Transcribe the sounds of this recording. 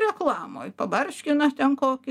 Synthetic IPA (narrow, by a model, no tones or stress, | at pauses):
ɾʲɛklˠɑːmo̰ːjpɐbɐrʲʃʲkʲɪnɐt̪ʲɛnkoːkʲɪ